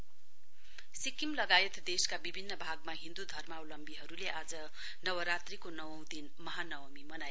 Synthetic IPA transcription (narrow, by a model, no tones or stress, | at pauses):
sikimlʌɡajet̪d̪eskabibʱinːʌbʱaɡmaɦĩnd̪ud̪ʱʌrmawlʌmbiɦʌɾuleʔad͡zʌ | nʌwʌɾat̪rikonʌwʌw̃d̪inmʌɦanʌwʌmimʌnaj